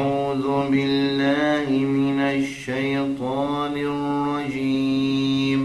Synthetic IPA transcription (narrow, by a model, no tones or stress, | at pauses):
uːðʊbɪllːaːɦɪmɪnaʃːɐjt̪ɑː | nɪrːɑd͡ʒiːm